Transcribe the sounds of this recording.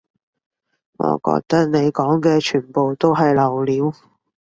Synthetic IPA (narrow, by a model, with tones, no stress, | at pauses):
ŋɔ̰ː˨˧kɔ̰ː˧k̚t̪ɐ˥k̚ne˨˧jkɔː˨˥ŋkɛː˧t͡ʃʰyː˨˩npo˨wt̪o˥wɦɐ˨jlɐ˨˩wliː˨˧˥w